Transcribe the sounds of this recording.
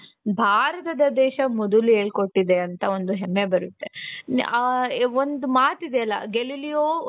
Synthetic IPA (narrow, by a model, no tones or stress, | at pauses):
bʱaːɾɐt̪ɐd̪ɐd̪ɛːʃɐmɔd̪ulueːɭko̞ʈːid̪eɐnt̪ɐo̞nd̪uɦemːebɐɾut̪ːe̞ | ond̪umaːt̪id̪eɐlːɐ̰ɡelilijoː